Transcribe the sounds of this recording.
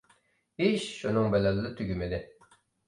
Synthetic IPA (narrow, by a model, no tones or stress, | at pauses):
hiʃʃunɨŋbɛlɛlːɪt̪ʰyɡʲymɪd̪ɪ